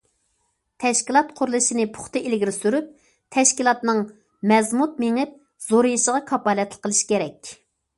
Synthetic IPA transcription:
t̪ʰɛʃkʲilˠɑt̪̚qʰʊɾlˠɨʃinɪpʰʊ̥χt̪ɨʔelɡʲiɾɪsyɾyp̚ | t̪ʰɛʃkʲilˠɑt̪nɨŋ | mɛzmut̪̚meŋɨp̚ | z̥oɾɨjiʃəʁɑkʰɑpɑlɛt̪lˠəqʰːəlˠɨʃi̥kʲeɾɛkʲ

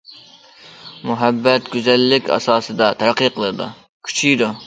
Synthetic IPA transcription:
mʊɦæbːɛt̪ɡʲyzɛlːɪkʲʰɑ̰sɑːsɨd̪ɑt̪ʰæɾɑqːijqʰəlˠɨɾɨd̪ṵ | kʲʰy̥t͡ʃʰijd̪u

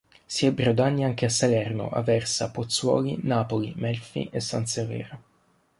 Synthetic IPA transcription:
siɛbɾod̪anːiaŋkeasːalɛrno̰ʔa̰vɛrsapot̪sːwɔ̰ːlinaːpolḭmɛlfḭʔesːa̰nsevɛ̰ːɾa

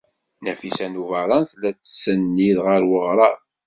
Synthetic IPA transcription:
næfisænuvɑɾˤɑnθlæt͡sːsːənːiðʁəɾwəʁɾˤɑ

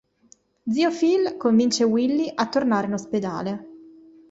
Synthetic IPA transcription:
d̪ziːofilkoɱvint͡ʃewilːiʔat̪ːornaːɾeinosped̪a̰ːle

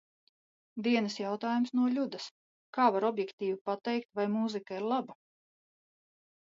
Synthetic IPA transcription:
d̪iɛnɨsjawt̪aːjumsnuɔlʲud̪ɐs | kaːvaɾɔbjɛkt̪iːvipat̪ɛjk̚t̪vajmuzikaiɾlˠaba

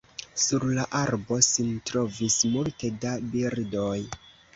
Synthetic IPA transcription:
suɾlaʔaɾbo̞sintɾo̞vismulte̞dabiɾdo̞j

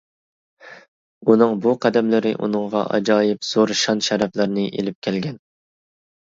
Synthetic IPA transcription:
unɨŋbuqʰæd̪ɛmlɪɾɪ̰ʔṵnɨŋʁɑ̰ʔɑ̰d͡ʒɑːjɪpz̥oɾʃɑnʃɛɾɛplɪɾnɪʔḛlɪp̚kʲʰɛlɡʲɛn

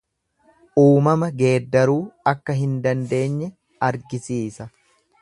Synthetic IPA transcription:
ʔuːmɐmɐɡe̞ːd̪ːɐɾuːɐkːɐɦɪnd̪ɐnd̪e̞ːɲːɛ | ɐɾɡɪsiːsɐ

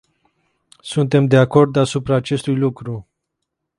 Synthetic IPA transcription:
sunt̪e̞md̪eako̞rd̪asupɾaːt͡ʃe̞st̪ujlukɾu

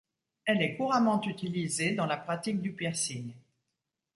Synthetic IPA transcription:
ɛlɛkuʁamɑ̃t̪yt̪ilized̪ɑ̃lapχat̪ik̚d̪ypɛʁsiɲ

